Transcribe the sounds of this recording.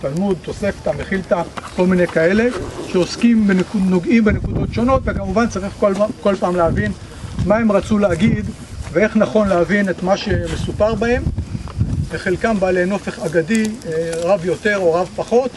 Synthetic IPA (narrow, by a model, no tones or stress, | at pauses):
t̪almud̪̚t̪o̞se̞ft̪ameχilt̪ako̞lmine̞jkae̞le̞ʃeo̞skimbenekuno̞ɡimbenekud̪o̞tʃo̞no̞t̪vekamuvant͡saʁiχkoko̞lpaːmleavin | mae̞mʁat͡suleaɡid̪ | vee̞χnaχo̞nleavinet̪maʃe̞mesupaʁbahem | eχe̞lkambaːle̞jno̞fe̞χaɡadiʁavjo̞te̞ʁo̞ʁavpaχo̞t